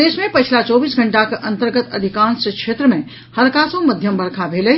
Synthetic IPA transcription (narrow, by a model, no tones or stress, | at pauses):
eːʃmẽpɐt͡ʃʰlat͡ʃɔːbiːsɡʱə̃ɳʈakʔɐ̃nt̪əɾɡət̪ɐd̪ʱikãːnskʃeːt̪ɾəmẽ | həɾkaːsõməd̪ʱjəmbɐɾkʰabʱeːle